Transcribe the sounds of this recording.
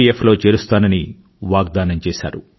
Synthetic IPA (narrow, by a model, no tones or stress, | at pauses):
iefʰlo̞ːt͡ʃeːɾust̪aːnɐni | ʋaːɡ̚d̪aːnɐmt͡ʃɛːʃa̰ːɾu